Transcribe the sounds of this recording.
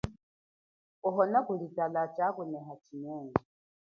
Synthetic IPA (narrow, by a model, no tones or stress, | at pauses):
ɔɦɔnakulitalat͡ʃakunɛɦat͡ʃʰinɛːŋɡɛ